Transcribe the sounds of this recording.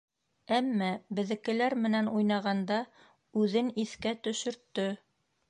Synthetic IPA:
æmːæbɘ̆ðɘ̆kɘ̆læɾmɘ̆nænujnɑʁɑnd̪ɑ | ʉðɘniθkæt̪ɵ̆ʃɵ̆ɾt̪ːɵ

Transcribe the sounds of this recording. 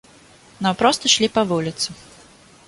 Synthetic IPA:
nampɾɔst̪ɐʂlʲipɐvulʲit̪sɨ

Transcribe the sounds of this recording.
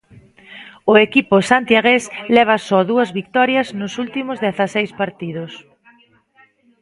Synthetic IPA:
ʊekipʊsant̪jaɣeslɛβ̞ɐsɔðuɐzβik̚t̪ɔɾjɐznʊsult̪imʊzðeθɐsejspaɾt̪iðʊs

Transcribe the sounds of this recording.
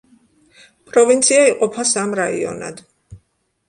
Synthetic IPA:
pʼɾɔvint̪sʰiaiqʼɔpʰasamɾaḭɔ̰na̰d̪

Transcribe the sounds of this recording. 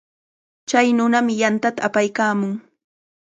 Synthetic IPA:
t͡ʃajnʊnamɪjant̪at̪aːpajkaːmʊŋ

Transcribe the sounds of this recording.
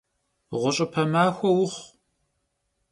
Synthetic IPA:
ʁʷʊt͡ʃʼɪpʰɐmaːxʷɔwʊχʷ

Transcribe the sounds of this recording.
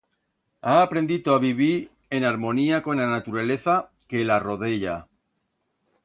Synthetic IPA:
aːpɾẽ̞nd̪it̪oaβiβiɾ | e̞naɾmõ̞niako̞nanat̪uɾale̞θa | ke̞laro̞ðe̞ʎa

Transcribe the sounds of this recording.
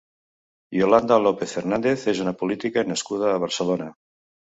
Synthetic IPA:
joland̪alopeθeɾnand̪eθezunapulit̪ikanəskuð̞aːβ̞əɾsəlona

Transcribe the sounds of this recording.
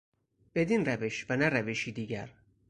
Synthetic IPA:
b̥e̞d̪inɾæveʃvænæɾæveʃiːd̪iːɟæ̰ɾ

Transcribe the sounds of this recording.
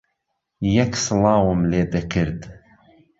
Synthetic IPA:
jɛksɨlˠɑːwəmleːd̪ɛkʰɨɾd̪

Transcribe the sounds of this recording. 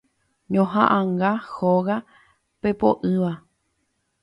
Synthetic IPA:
ɲõɦã̰ʔãŋɡahoɣa | pe̞po̰ʔɨʋa

